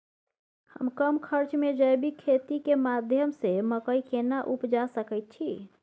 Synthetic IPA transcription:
həmkəmkʰəɾt͡ʃmed͡ʒəjbikʰet̪ikemad̪ʱjəmseməkəjkenaʔupd͡ʒasəkəɪt̪̚t͡ʃʰi

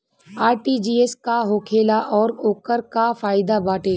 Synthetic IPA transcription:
aːɾʈiːd͡ʒiːeskaɦoːkʰeːlaʔɔːɾoːkəɾkafaːɪd̪abaːʈeː

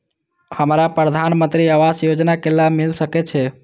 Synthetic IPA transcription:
həmɾapɾəd̪ʱanmənt̪ɾiaʋasjod͡ʒnakelːamilsəkɛt͡ʃʰɛ

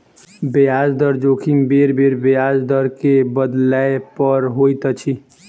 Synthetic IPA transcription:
bejaːd͡ʒd̪əɾd͡ʒoːkʰimbeɾbeːɾbejaːd͡ʒd̪əɾkebəd̪laepəɾɦoːjt̪ət͡ʃʰi

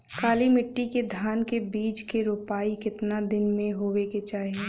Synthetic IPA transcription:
kaːlimɪʈːiked̪ʱaːnkebiːt͡ʃkeɾuːpaːikɪt̪nad̪ɪnmẽɦoːʋeket͡ʃaːɦieː

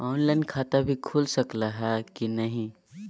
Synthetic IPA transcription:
ɔːnlaɪnkʰat̪abʱikʰulsəklaɦɛkinəɦĩ

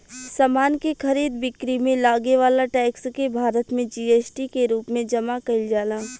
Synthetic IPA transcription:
saːmaːnkexʰɐɾiːd̪bɪkɾimẽlaːɡeʋaːlaʈɛːkskebʱaːɾət̪mẽd͡ʒiːeːsʈikeɾuːpmẽd͡ʒɐmakɐɪld͡ʒaːlãː

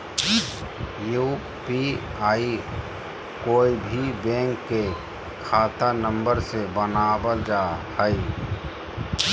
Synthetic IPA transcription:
ju | piaːi | koːibʱibɛ̃ːŋkːe | kʰaːt̪anə̃mbəɾsebənaːbəld͡ʒaːhəi

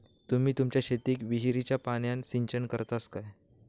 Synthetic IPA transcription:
t̪um̤iːt̪umt͡ɕjaɕet̪iːkʋiɦiɾit͡ɕjapaɳjãnsiɲt͡ɕənkəɾt̪askaj

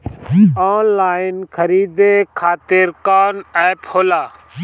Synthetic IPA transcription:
aːnlaːɪnkʰəɾiːd̪eːkʰaːt̪ɪɾkaːnɛːphoːlaː

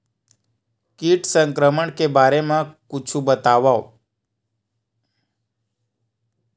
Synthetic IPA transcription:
kiʈsəŋkɾəməɳkebaɾemãkʊt͡ʃʰũbət̪aʋao

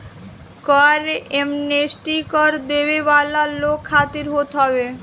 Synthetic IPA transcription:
kɔaɾeemnesʈikɔɾd̪ebebalalːokʰːat̪iɾɦot̪ɦɔbe

